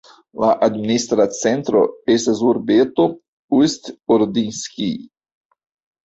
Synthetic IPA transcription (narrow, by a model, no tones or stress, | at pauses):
laʔad̪minist̪ɾat͡sẽnt̪ɾo̰esezuɾbet̪o | ust̪oɾd̪inskʲḭ